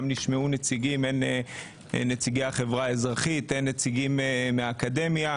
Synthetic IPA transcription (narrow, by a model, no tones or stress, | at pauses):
mniʃmeunet͡siɡimene | net͡siɡeaχevʁaezʁaχit̪enːet͡siɡimeːeaːkade̞mja